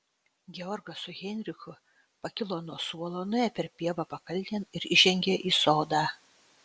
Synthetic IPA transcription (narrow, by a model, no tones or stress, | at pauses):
ɡʲɛɔɾɡɐsʊɣʲɛnʲɾʲɪxʊ | pɐkʲɪlˠoːnuɔsuɔlˠoːnʊæːpʲɛɾpʲiɛʋɐpɐkɐlʲt̪ʲɛnɪɾɪʒʲɛŋʲɡʲeːʔiːsoːd̪ɑː